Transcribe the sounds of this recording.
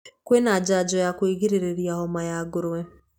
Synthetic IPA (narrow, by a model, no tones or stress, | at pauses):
kwenad͡ʒad͡ʒɔjakweɡiɾeɾeɾjaɦɔmajaɡʊɾʊwe